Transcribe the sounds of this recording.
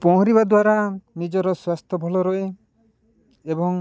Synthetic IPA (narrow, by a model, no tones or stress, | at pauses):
pɔɦɔɾibad̪waɾanid͡ʒɔɾɔswast̪ʰɔbʱɔlɔɾɔe | ebɔŋ